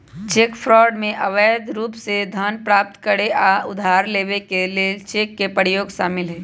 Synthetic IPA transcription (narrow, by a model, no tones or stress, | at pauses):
t͡ʃeːkpʰɾɔːɖmẽʔɐʋəːd̪ɾuːpsed̪ʱaːnpɾaːp̚t̪kəɽeʔaʊd̪ʱaːɾleːʋekelet͡ʃeːkːepəɽjoːɡʃaːmɪlɦɛː